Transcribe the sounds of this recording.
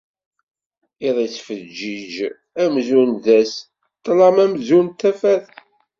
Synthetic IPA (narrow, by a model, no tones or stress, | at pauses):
iðˤit͡sːfəd͡ʒːid͡ʒ | æmzunðæs | t̪ːlɑmæmzunt̪ːæfæθ